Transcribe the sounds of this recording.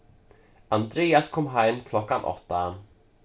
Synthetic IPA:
and̪ɾeːaskʰɔmɦɛmːkʰlɔkːanʔɔ̰t̪ːa

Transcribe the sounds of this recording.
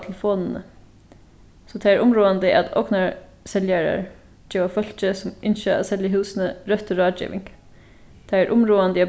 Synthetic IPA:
t̪ʰlfoːnn̩ə̰ | sɔt̪ʰæɪæɾʔʊmɾoːand̪əʔa̰d̪ɔ̰knɑɹ | sɛljæɹɑ̰ɹ | d͡ʒeːʋafœl̥t͡ʃəsɔmʔɪnʃəɑ̰ːsɛljəɦʉːsnəɾœt̪ɔɾɑːd͡ʒḭːʋɪ̰ŋɡ̥ | t̪ʰæɪæɹʔʊmɾuːand̪əia

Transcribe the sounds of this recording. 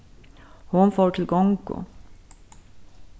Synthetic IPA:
hʊnfoːʈʰɪlɡɔŋkʊ̰

